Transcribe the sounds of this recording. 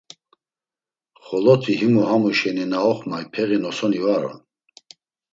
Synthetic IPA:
χɔlɔt̪ʰiɦimuhamuʃɛninaɔχmajpʰɛɣinɔsɔnivaɾɔ̰n

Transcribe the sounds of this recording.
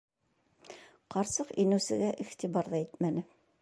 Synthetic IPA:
qɑɾsɤqinɘ̆wsɘ̆ɡæʔiχt̪ibɑɾðɑit̪mænɘ

